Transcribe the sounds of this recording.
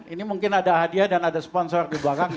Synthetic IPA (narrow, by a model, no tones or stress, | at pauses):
inimuŋkɪnadaɦadiadanadasə̥pɔnsɔrdibakaŋ